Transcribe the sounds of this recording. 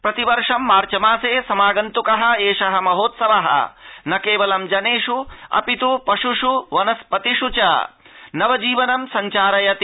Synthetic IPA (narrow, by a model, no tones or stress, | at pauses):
pɾɐt̪iʋɐɾʂɐmːaːɾt͡ʃɐmaːseːsɐmaːɡɐnt̪ukɐɦɐ̆eːʂɐɦɐ̆mɐɦoːt̪sɐʋɐɦɐ̰nɐkeːʋɐlɐmd͡ʒɐneːʂuɐ̰pit̪upɐʂuʂuʋɐnɐspɐt̪iʂut͡ʃɐ̰ | nɐʋɐd͡ʒiːʋɐnɐmsɐɲt͡ʃaːɾɐjɐt̪i